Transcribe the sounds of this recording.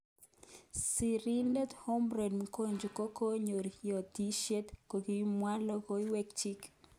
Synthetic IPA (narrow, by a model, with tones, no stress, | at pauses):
si˨ɾi˦ndɛ˦t̪ho˦mbɾɛ˨dmko˦ɲd͡ʒo˨ko˦ko˦ɲo˨ɾijɔ˨t̪i˦ʃe˦t̪ko˨ɡimwa˦lɔ˦ko˦i˦wɛ˦kt͡ʃi˦k